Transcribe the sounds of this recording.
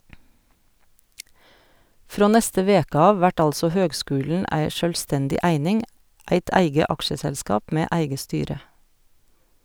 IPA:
ˈfɾoː ˈnɛstə ˈʋeːkə ˈɑːʋ ˈʋæʈ ˈɑlsɔ ˈhøːɡˌskʉːln̩ ˈæɪ ˈʃœlˌstɛndɪ ˈʔæɪnɪŋ ˈæɪt ˈæɪɡə ˈʔɑkʃəsɛlˌskɑːp ˈmeː ˈʔæɪɡə ˈstyːɾə

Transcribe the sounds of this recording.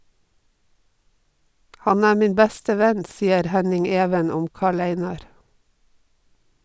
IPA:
ˈhɑn ˈæː ˈmiːn ˈbæstə ˈʋɛn ˈsiːəɾ ˈhænɪŋ ˈeːʋən ˈʊm ˈkɑːɭ ˈæɪnɑɾ

